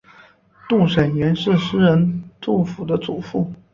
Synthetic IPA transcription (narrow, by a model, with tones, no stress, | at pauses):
t̪u˥˩ʂə˨˩nɥɛ˧˥nʂɻ̩˥˩ʂɻ̩˥ɻə˧˥nt͡su˥˩fu˨˩d̪ə˦t͡su˨˩fu˥˩